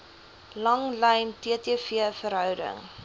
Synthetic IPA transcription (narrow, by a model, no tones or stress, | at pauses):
lɐŋlɛjntiətiəfiəfəɾɦœwdə̰ŋ